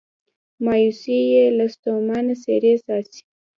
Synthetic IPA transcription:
mɑjusijelast̪omɑnaseɾesɑsi̥

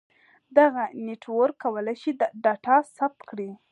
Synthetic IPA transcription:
d̪aɣaneʈwoɾkawəlajʃid̪əɖɑʈɑsap̚t̪kɽi

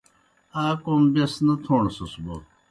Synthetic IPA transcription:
aːkombesnɐt̪ʰoːɳsɐsbo

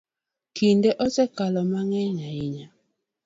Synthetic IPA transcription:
kindeʔɔsɛkalɔmaŋɛɲaiɲa

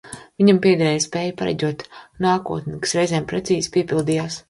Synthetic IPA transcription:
vʲiɲampʲiɛd̪ɛɾɛːjspɛːjpaɾa̰ɟʲuɔt̪naːkuɔt̪nikḁsɾɛjzeːmpɾɛt̪siːzpiɛpilˠd̪ijaːs

